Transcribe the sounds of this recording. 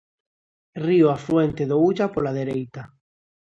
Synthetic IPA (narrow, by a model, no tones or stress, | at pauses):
rioafɾwent̪eðouʎapolaðeɾejt̪a